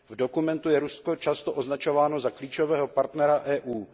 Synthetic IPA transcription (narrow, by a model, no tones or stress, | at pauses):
vdo̞kumɛnt̪ujɛɾuskot͡ʃast̪oʔoznat͡ʃo̞vaːnozakliːt͡ʃovɛːɦo̞paɾt̪nɛɾaʔɛːʔuː